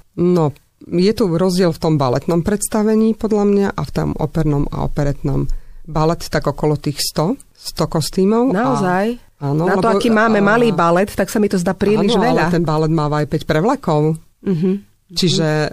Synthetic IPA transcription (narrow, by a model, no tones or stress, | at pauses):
nɔ | jɛt̪uɾɔzɟɪɛlft̪ɔmbalɛ̰t̪nɔmpɾɛt̪st̪aʋɛɲiːpɔd̪lʎamɲaʔaft̪ɔ̰mɔ̰pɛɾnɔma̰ɔ̰pɛɾɛt̪nɔ̰mbalɛt̪t̪ːaɡɔkɔlɔt̪iːxst̪ɔ | st̪ɔkɔst̪iːmɔʊnaɔzaj | aːnɔnalɛt̪ɔaɔkimaːmɛmaliːbalɛt̪t̪ːaksamit̪ɔzd̪aːpɾiːliʒʋɛʎat̪ɛnbalɛd̪maːʋajpɛcpɾɛʋlakɔʊ | ɦ̩ | t͡ʃiʒɛ